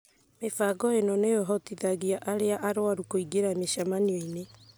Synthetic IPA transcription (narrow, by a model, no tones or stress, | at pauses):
mefaɡɔenɔnejɔɦɔtiðaɣiaʔaɾeaʔaɾoaɾukoiɡeɾameʃamanioine